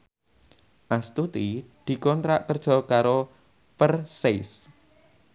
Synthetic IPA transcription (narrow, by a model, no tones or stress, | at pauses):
ʔast̪ut̪id̪̥i̤kɔnt̪ɾaʔk̪ərd̥ʒ̥ɔ̤kaɾo | pərses